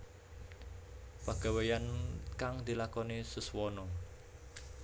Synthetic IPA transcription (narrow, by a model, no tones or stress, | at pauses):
paɡ̥a̤wejankaŋd̪i̤lakɔnesəswɔnɔ